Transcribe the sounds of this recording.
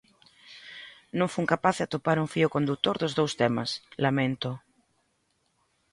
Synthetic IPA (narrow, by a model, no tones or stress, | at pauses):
nõŋfuŋkapaθat̪opaɾuŋfiʊkond̪ut̪oɾðozðowst̪ema̰slamẽnt̪ʊ